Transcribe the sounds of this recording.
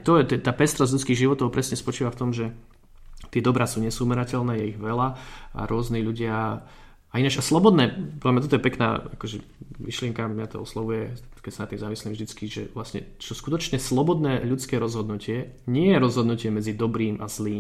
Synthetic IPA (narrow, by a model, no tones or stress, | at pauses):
t̪ɔjɛt̪ɛt̪aːpɛst̪ɾɔzʎut͡skiːɣʒiʋɔt̪ɔʊpɾʔɛsɲɛspɔt͡ʃiːʋaft̪ɔmʒɛ | t̪ɪɛd̪ɔbɾasuːɲɛsumɛɾacɛlnɛːjɛiɣʋɛlaa̰ɾʊɔzniʎuɟɪa | ainat͡ʃaslɔbɔd̪nɛːpɔɾdlamɲat̪ɔt̪ɔjɛpɛkna̰ːakɔʒɛ | ʋiʃlɪɛŋkamɲat̪ɔ̰ɔslɔʋujɛ | kɛcsanat̪ːiːmzamisliːmvʒd̪it͡skiʒɛ̰ʋlasɲɛ̰t͡ʃɔskut̪ɔt͡ʃɲɛslɔbɔd̪nɛːʎut͡skɛːɾɔzɦɔd̪nucɪɛ | ɲɪɛjɛɾɔzɦɔd̪nucɪɛmɛd͡zid̪ɔbɾiːmʔazliː